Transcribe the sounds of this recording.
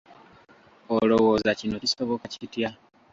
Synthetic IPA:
olo̞wo̞ːzacino̞ciso̞βo̞kacitja

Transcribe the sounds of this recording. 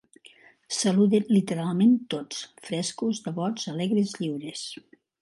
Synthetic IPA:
səluðenlit̪əɾalˠment̪ot͡sfɾɛskuzðəβɔzəlɛɣɾezʎiwɾes

